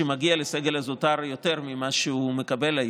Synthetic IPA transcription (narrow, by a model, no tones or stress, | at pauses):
emaɡialeseɡelazotaʁjo̞te̞ʁmimaʃeume̞kabe̞la